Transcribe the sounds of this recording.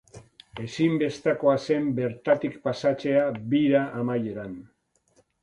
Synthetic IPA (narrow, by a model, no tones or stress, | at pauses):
e̞simbe̞st̪ako̞ase̞mbe̞ɾt̪at̪ikpasat͡se̞abiɾaʔamaje̞ɾan